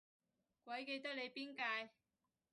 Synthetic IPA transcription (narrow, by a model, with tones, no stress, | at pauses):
kwʷɐ˨˥jke˧jt̪ɐ˥k̚le˨˧jpiː˥nkaː˧j